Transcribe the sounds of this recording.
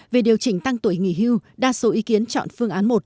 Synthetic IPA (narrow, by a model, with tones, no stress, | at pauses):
ve˨˩ɗi˨˩əwt͡ɕï˧˩ŋ̟t̪a˧ŋt̪u˧˩əjŋḭ˧˩ɦi˧wɗaː˧so˨˦ʔi˨˦ki˨˦ənt͡ɕɔ̰˧˨nfɨ˧əŋʔaː˨˦nmo˨˩t̚